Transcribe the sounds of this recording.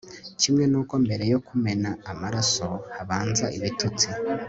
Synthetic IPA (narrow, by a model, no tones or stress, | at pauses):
cimŋe̞nuːko̞mbe̞ɾe̞jo̞kume̞naːmaɾaso̞haβaːnzaʔiβitut͡si